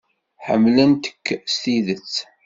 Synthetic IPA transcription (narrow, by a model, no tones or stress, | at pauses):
ħə̰mːlənt̪ə̥kːst̪iðət͡sː